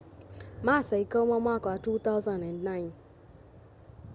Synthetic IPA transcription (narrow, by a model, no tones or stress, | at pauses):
maːsɛikomɔ̃makɔatut̪azãndɛ̃ndnãɪ̃n